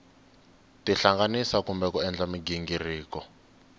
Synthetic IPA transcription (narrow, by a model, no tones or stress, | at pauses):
tiɬaŋɡanisakumbɛkɔɛnd͡ɮamiɡiŋɡiriːkɔ